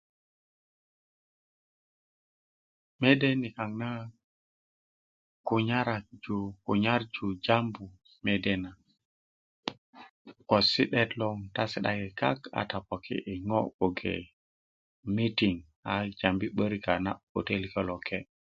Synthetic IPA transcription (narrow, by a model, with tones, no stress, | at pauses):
me˦de˦ni˨ka˨ŋna˦ | ku˨ɲa˦ɾa˨k̚d͡ʒu˨ku˨ɲa˦ɾd͡ʒu˨d͡ʒa˦mbu˨ | me˨de˦na˨ | ko˨si˦ɗɛ˦tlɔ˦ŋta˦si˨ɗa̰˦ɡi˨ka̰˦ka̰˨ta˨po˨kʰḭ˦ʔi˨ŋɔ˦o˨ɡḛ˨ | mi˦ti˨ŋ | a˨d͡ʒa˨mbi˦ɓə˦ɾika˨na̰˦o˨te˦like˦lo˨kʰːe˦